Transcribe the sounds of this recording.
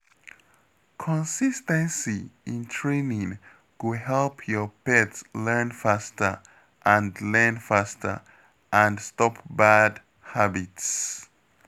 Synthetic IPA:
kʰɔ̃nsistɛ̃nsiĩntʰɹẽnĩŋ | kuhɛlpʰjɔpɛtslɛ˞nfastə˞ | ʔãndlɛnfastʰə̰˞ | ʔãnstɔpbad | habits

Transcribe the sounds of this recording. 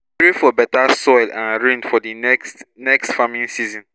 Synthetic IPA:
tɹifɔbɛtasɔjlãnɹĩndfɔdiɛkstnɛkstfamĩnsizɔ̃n

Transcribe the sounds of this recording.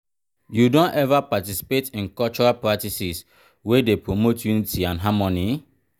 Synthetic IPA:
judõnɛvapatisi̥petĩnkɔlt͡ʃɔɹalpɹatisis | wedepɹomotjunitiãnɦamɔni

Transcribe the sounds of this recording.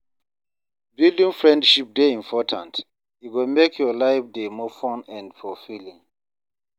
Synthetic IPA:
bildĩŋfɹɛ̃ndʃip̚deĩmpʰɔtʰã̰nt | juɡomekʰjɔlaɪfdemɔfɔ̃nɛ̃ndfɔfilĩŋ

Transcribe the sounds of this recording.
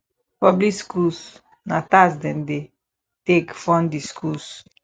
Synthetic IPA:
pɔbliskus | natasdɛ̃nde | tekfɔ̃ndiskʰus

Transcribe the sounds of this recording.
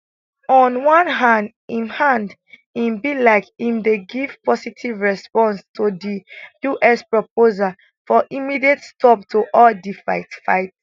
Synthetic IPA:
ɔ̃nwãnɦãnd | ĩnhãndĩmbilaɪkĩmdeɡiv̥pɔsitʰivɹɛspɔ̃nstodijuʔɛspɹopozal | fɔʔimidietstʰɔptʰoʔɔldifaɪtfa̰ɪt

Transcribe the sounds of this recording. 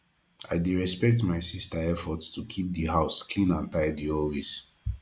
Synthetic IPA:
aɪdeɹɛspɛk̚tmaɪsistaɛfɔtstʰukʰip̚diɦaʊskʰlĩnãntajdiɔwis

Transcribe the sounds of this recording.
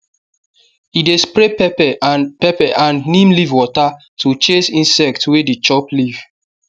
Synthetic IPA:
idespɾepɛpɛpɛpɛʔãnnĩmlivwɔta | tʰut͡ʃesĩnsɛk̚twedit͡ʃɔpliv̥

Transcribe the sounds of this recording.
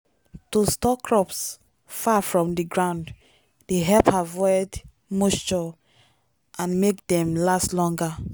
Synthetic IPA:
tostɔkɹɔps | fafɹɔ̃mdiɡɹãʊ̃nd | deɦɛpavɔjd | must͡ʃɔ | ʔãnmekdɛ̃mlaslɔ̃ŋɡa

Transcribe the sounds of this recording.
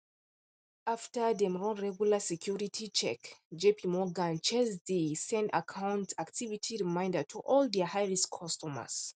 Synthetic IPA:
aftədɛ̃mɹɔ̃nɹɛɡjulasɛkʰjuɹitʰit͡ʃɛ̰kd͡ʒepʰimɔɡãnt͡ʃɛzdisɛ̃nda̰kʰãw̃ntaktʰivitʰiɹimãɪ̃ndətʰuʔɔldɛhajɹiskʰɔstʰɔmə̰s

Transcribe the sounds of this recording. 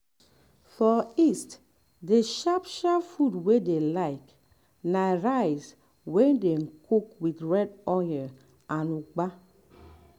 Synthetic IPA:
fɔist | deʃapʃapfudwedelaɪk | naɾajs | wɛndeŋ̩kʰokwitɹɛdɔjɛ | anuɡ͡ba

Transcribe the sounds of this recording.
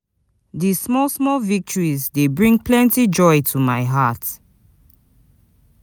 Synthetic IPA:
dismɔlsmɔlvik̚tʰɔɹizdebɹĩŋplɛ̃ntid͡ʒɔjtʰumaɪɦat

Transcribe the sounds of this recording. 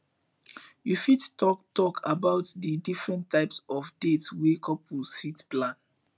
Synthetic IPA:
jufidtɔktɔkʰabaʊtdədifɹɛ̃ntʰaɪpsɔfdetswekʰɔpwisitplãn

